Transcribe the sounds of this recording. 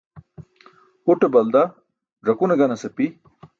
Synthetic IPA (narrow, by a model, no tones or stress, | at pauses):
uʈebɐld̪a | ʐɐkunɐɡɐnɐsɐpi